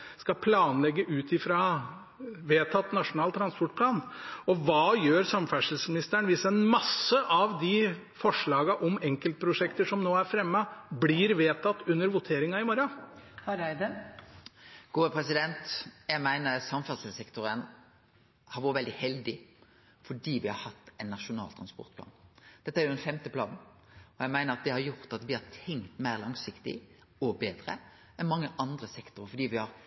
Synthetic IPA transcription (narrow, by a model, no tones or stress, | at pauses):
skɑpʰlɑːnlɛɡːəʔʉːt̪ʰɪfɾɑ | ʋeːt̪ʰɑt̪ːnɑʂʊnɑːlt̪ʰːɾɑnspɔʈ̚pʰlɑːnɔʋɑːjøːɾsɑmfæʂəl̩smɪnɪst̪əɳʋiːsəɛnmɑsəʔɑʋd̪ɪ | fɔʂɭɑːɡɑʔɔmɛŋkəlt̪̚pʰɾʊʂɛkt̪əʂɔmnoːæɾfɾɛmːəblɪɾʋeːt̪ʰɑt̪ːʉnːəɾʋʊt̪ʰeːɾɪŋɑɪmɔɾɑhɑɾæɪd̪ə | ɡ̥uːəpʰɾɛsɪd̪ɛnt̪jæɪmæɪnəsɑmfɑd̪səsɛkt̪ʊɾən | hɑɾʋɔːəʋɛld̪ɪhɛld̪ɪ | fɔɖiːʋɪhɑɾhɑt̪ːɛnːɑʂʊnɑ̰ːlt̪ʰɾɑnspɔ̰ɾt̪pʰlɑ̰ːnd̪̥ɛt̪ːəæɾjʊd̪ɛnfɛmt̪əpʰlɑ̰ːnn̩ | ɔjæɪmæɪnəɾɑt̪̚d̪ɛhɑɾjʊʁt̪ɑt̪ʋɪhɑɾt̪ʰɛŋkt̪mæɪʁlɑŋsɪkt̪ɪ̰ | ɔbeːd̪ɾə̰ | ɛnmɑŋːəʔɑnd̪ɾəsɛkt̪ʊɾəfɔɖiːʋɪhɑɾ